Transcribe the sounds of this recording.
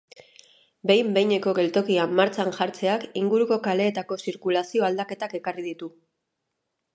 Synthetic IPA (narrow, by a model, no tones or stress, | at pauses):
be̞jmbe̞jɲe̞ko̞ɣe̞lt̪o̞kiamːaɾt͡saŋʝaɾt͡se̞akiŋɡuɾuko̞kale̞ːt̪ako̞siɾkulasio̞ald̪ake̞t̪ake̞karið̞it̪u